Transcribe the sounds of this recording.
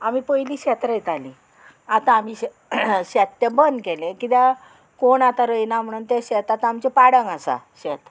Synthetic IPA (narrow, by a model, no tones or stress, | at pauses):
am̤iːpəjliːɕɛt̪ɾəjt̪aliː | at̪aːmiː | ɕɛt̪ːãbənd̪kelẽkit̪a | koɳat̪aɾəjnam̤əɽuːnt̪aɕɛt̪at̪amt͡ɕepaɽəŋɡasa̰ɕet̪